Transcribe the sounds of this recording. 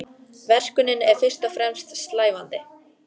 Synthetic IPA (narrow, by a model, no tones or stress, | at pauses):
vɛr̥kʏnɪnɛɾ̥fɪr̥st̪ɔfɾɛmst̪st̪laːjvant̪ɪ